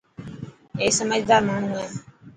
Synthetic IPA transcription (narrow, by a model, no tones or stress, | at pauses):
eːsəməd͡ʒd̪aːɾmaːɳ̤ũːɛː